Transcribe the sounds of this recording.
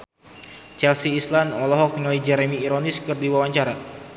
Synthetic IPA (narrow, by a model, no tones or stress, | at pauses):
t͡ʃɛlsiːslandɔlɔɦɔk̪̚ŋalid͡ʒɛɾɛmiːɾoniskɨrdiwawaɲt͡ʃaɾa